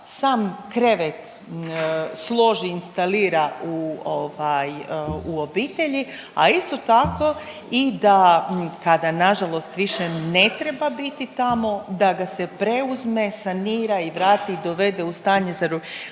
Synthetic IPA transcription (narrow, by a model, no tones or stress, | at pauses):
saːmkɾe̞ʋet̪ | slˠo̞ʒiːnst̪aliːɾaʔuoʋajuo̞biːt̪eʎi | a̰ist̪o̞t̪ako̞ | id̪akad̪anaʒalo̞st̪ʋiʃene̞t̪ɾebabit̪it̪amo̞d̪aɡase̞pɾe̞uzme̞saniːɾaiʋɾaːt̪iid̪o̞ʋe̞d̪eust̪aːɲezaɾu